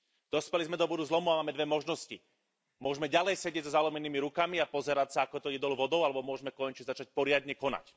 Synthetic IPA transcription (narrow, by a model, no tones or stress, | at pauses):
d̪̥ɔspɛlizmɛd̪ɔbɔd̪uzlɔmuamaːmɛd̪ʋɛmɔʒnɔsci | mʊɔʒmɛɟalɛjsɛɟɪɛɟzɔzalɔmɛniːmiɾukamiapɔzɛɾacsaakɔt̪ɔjɛd̪ɔlʋɔd̪ɔʊalɛbɔmʊɔʒɛmɛkɔɲt͡ʃizat͡ʃac̚pɔɾɪad̪ɲɛkɔna̰c